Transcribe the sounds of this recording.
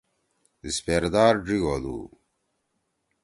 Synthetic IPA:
speɾd̪aːɾɖiɡolṵː

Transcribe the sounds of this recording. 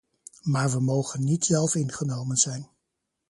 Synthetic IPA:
maːɹʋəmowχənːitsɛlˠfɪnχənowmənz̥ɛjn

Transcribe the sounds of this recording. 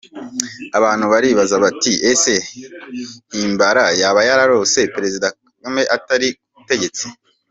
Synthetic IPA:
aβaːn̥huβaɾiːβazaβatiʔese̞ | hiːmbaɾajaːβajaɾaɾo̞se̞peɾe̞zida | ɡome̞ʔataɾikuute̞ɟe̞t͡si̥

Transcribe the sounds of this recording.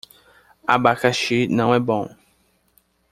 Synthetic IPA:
a̰bakaʃinãɛbɔ̃

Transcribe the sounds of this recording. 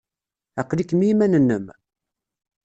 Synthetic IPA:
æqːlikːmimænənːəm

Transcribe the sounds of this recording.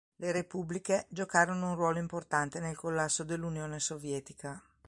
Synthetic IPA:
leɾepubliked͡ʒokaːɾonounrwɔːloimport̪ant̪enelkolːasːod̪elːunjoːnesovjɛːt̪ika

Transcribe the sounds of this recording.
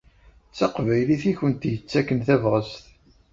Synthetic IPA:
t͡sːɑqvæjliθiçənt̪jət͡sːækːənθævʁəsθ

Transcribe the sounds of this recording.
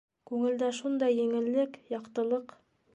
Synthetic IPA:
kʉŋɘ̆ld̪æʃund̪ɑjːĕŋɘ̆lːɘkjɑqt̪ɤ̆lˠɤq

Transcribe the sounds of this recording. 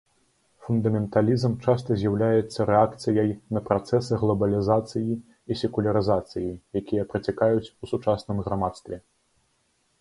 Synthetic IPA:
fund̪ɐmʲɛnt̪alʲizmt͡ʂast̪ɐzʲjawlʲajɛt̪sːɐɾɛakt̪sɨjɐjnɐpɾat̪sɛsɨɣlˠɐbɐlʲizat̪sɨji | isʲɛkulʲɐɾɨzat̪sɨjijakʲijɐpɾɐt͡sʲakajut͡sʲusut͡ʂasnɨmɣɾamat̪st̪vʲɛ

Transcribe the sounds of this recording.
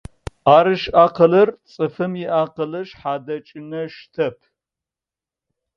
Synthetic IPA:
aːɾɨʃaːqɐlɐrt͡sʼɨfɨmjɪʔaːqɐlɐʃħaːd̪ɐt͡ʃʼɪnɐʃt̪ʰɐpʰ

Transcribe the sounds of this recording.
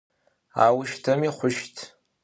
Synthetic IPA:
a̰wʊʃtʰɐmiχʷʊʃtʰ

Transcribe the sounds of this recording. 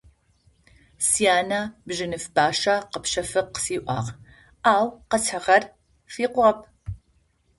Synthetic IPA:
sijaːnɐbʒɨnɨfbaːʂɐqəpʃɐfɨqsiːʔʷɑ̰ːʁ | aːwqɐt͡sʰəʁɐr | fiːqʷɐp̚ʰ

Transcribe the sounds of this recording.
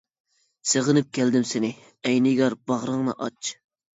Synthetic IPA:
seʁənɨp̚kʲʰæld̪ɪmsɪnɪ | ɛjnɪɡʲɑɾbɑʁɾəŋnɨ̰ʔɑt͡ʃ

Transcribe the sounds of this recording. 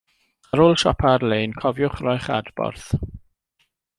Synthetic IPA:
aɾoːlˠʃɔ̰pʰarleːnkʰɔvjʊχrɔjχa̰dbɔ̰rθ

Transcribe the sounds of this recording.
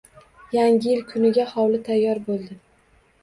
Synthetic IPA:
jaŋʲɪjɪlkʰʊnɪɡʲahɒwlɪt̪ʰajːɒɾbolˠd̪ɪ

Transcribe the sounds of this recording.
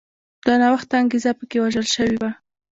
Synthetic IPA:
d̪̥ɑnawaxt̪aːŋɡezapəkewaʒəlʃəwiwa

